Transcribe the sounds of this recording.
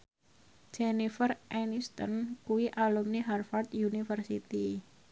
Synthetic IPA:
d͡ʒenifərʔɛnist̪ɔ̰nkuwiʔalumniɦarfart̪junifərsit̪i

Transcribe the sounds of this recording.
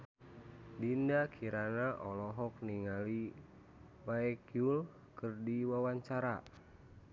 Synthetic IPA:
dindakʰiɾanaʔɔlɔɦɔk̚niŋali | waɛkjul | kɨrdiwawaɲt͡ʃaɾa

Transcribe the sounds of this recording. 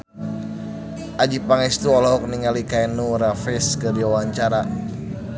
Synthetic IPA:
ʔad͡ʒipaŋɛst̪uɔlɔɦɔk̚niŋalikaɛnuɾafɛskədiawaɲt͡ʃaɾa

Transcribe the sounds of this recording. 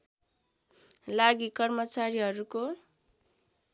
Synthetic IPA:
laɡikʌrmʌt͡saɾiɦʌɾuko

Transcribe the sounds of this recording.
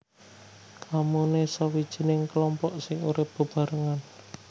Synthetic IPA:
kʰamunesawid̥ʒ̥i̤nɪŋkəlɔmpɔʔsɪŋuɾɪp̚b̥ə̤b̥a̤ɾəŋan

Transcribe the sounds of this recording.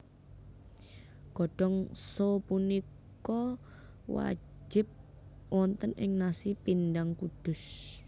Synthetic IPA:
ɡ̥ɔɖ̥ɔŋsopunikk | ɔ | wa̰̥ | d͡ʒɪ̤p̚ | wɔnt̪ənʔɪ̰ŋnasipindaŋkud̪̥ʊ̤s

